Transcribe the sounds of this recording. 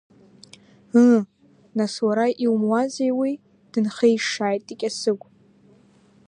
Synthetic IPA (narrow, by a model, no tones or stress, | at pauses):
ɨ | naswaɾaʔiwmwazejwi | d̥ɨnχejʂaːjtʼikʲʼasɨɡʷʼ